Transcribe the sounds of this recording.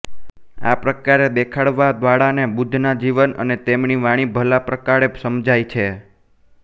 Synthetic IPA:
a̰pɾəkaɾed̪ekʰaɽʋad̪ʋaɽanebud̪ʱnad͡ʒiʋənə̰net̪emɳiʋaɽ̃ibʱəlapɾəkaɽesəmd͡ʒajt͡ʃʰe

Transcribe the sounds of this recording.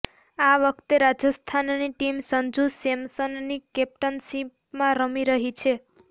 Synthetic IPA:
aʋəkʰt̪eɾad͡ʒəst̪ʰanniʈimsənd͡ʒusemsənnikɛp̚ʈənsip | mãɾəmiɾəɦit͡ʃʰe

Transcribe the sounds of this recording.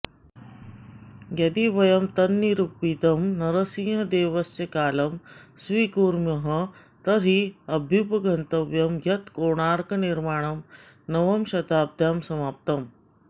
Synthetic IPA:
ɡɐd̪iʋɐjɐmt̪ɐnːiɾupːit̪ɐmnɐɾɐsĩːɦɐd̪eːʋɐsjɐkaːlɐmsʋiːkuːɾmjɐɦɐ | t̪ɐɾiɐbʱjupɐɡʱɐnt̪ɐʋjɐmjɐt̪koːɳ̃aːɾkɐniɾmaːɳ̃ɐm | nɐʋɐmʃɐt̪aːb̚d̪ʱjaːmsɐmaːp̚t̪ɐm

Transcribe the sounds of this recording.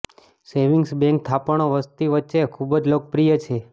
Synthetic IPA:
seʋiŋɡsbɛ̃ŋk̚t̪ʰapəɳ̃oʋəst̪iʋətːʃekʰubəd͡ʒlok̚pɾijət͡ʃʰe

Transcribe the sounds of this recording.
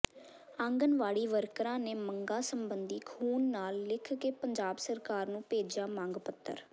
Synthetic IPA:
ə̃ŋɡənʋaːɽiːʋəɾkɾãːneːməŋɡãːsəmbənd̪iːkʰuːnːaːlːɪkʰkeːpəɲd͡ʒaːbsəɾkaːɾnũːpeːd͡ʒjaːmãːŋɡpət̪ʰːə̰ɾ

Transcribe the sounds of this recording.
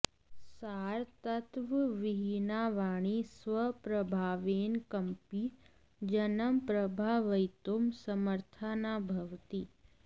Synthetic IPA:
saːɾt̪ɐt̪ʋəʋɪɦinaːʋaːɳ̃isʋəpɾɐbʱaːʋeːnkɐmpi | d͡ʒɐnəmpɾɐbʱaːʋɐjt̪omsɐməɾt̪ʰənaːbʱɐʋt̪i

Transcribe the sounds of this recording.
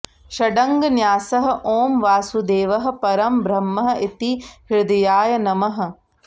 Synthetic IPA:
ʃɐɖɐŋɡɐnjaːsɐɦɐ̆ʔoːmʋaːsud̪eːʋɐɦɐ̆pɐɾɐmbɾɐmːɐɦɐ̆ʔit̪iɦiɾd̪ɐjaːjɐnɐmɐɦɐ̆

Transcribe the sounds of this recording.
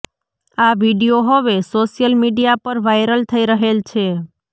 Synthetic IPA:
aʋiɖijoɦəʋesoʃjəlmiɖijapəɾʋajɾəlt̪ʰəiɾəɦelt͡ʃʰe

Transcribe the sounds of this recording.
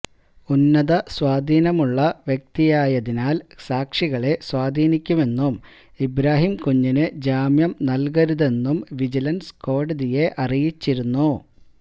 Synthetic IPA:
unːɐðɐswaːd̪ʱiːnɐmuɭːɐʋjek̚t̪ijaːjɐðinaːlsaːkʂiɣɐɭe̞swaːd̪ʱiːnikʲːume̞nːum | ibɾaːɦimkuɲːinɨd͡ʑaːmjɐmnɐlɡɐɾuðe̞nːumʋid͡ʑilɐnsko̞ːɽɐðije̞ʔɐrijit͡ɕːiɾunːu

